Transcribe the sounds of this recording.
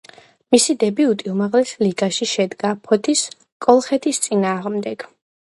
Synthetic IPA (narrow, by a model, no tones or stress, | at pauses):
misid̪ɛbiut̪ʼiumaʁlɛsliɡaʃiʃɛd̪ɡapʰɔt̪ʰis | kʼɔlˠχɛt̪ʰist̪sʼinaːʁmd̪ɛɡ̥